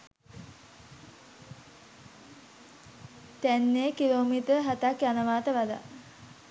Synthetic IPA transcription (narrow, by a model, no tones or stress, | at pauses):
t̪ænːekiloːmit̪əɾɦat̪akjanəʋaːt̪əʋad̪a̰